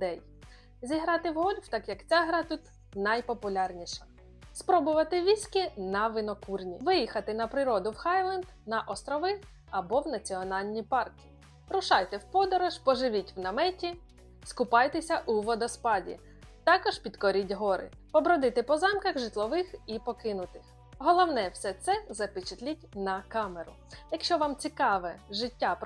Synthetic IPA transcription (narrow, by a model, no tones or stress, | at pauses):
d̪ɛj | zʲiɦɾɑt̪ɪwɦɔlʲwt̪ɑkjɐkt͡sʲaɦɾɑt̪ut̪ | nɐjpɔpʊlʲɑrnʲiʃɐ̥ | spɾɔbʊʋɐt̪ɪʋʲisʲkʲɪnɐʋɪnɔkurnʲḭʋɪjixɐt̪ɪnɐpɾɪɾɔd̪ʊwxɑjlˠɐnd̪nɐʔɔst̪ɾɔʋɪ | ɐbɔwnɐt͡sʲiɔnɑlʲnʲipɑrkʲɪ̥ | ɾʊʃɑjt̪ɛwpɔd̪ɔɾɔʃpɔʒɪʋʲitʲwnɐmɛtʲi | skʊpɑjt̪ɛsʲɐʔʊʋɔd̪ɔspɑdʲḭ | t̪ɑkɔʒpʲid̪kɔɾʲitʲɦɔɾɪ̰ | pɔbɾɔd̪ɪt̪ɪpɔzɑmkɐɣʒɪt̪lˠɔʋɪxipɔkɪnʊt̪ɪx | ɦɔlˠɔwnɛwsɛt̪sɛzɐpɪt͡ʃɪt̪lʲitʲnɐkɑmeɾʊ | jɐkʃt͡ʃɔʋɑmt͡sʲikɑʋɛʒɪtʲːap